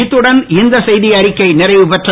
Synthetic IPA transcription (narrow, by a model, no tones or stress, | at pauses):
t̪ːɯɽɐnɪnd̪ɐsɛjðɪɐɾɪkːɐɪnɪrɐɪʋɯpɛʈrɐ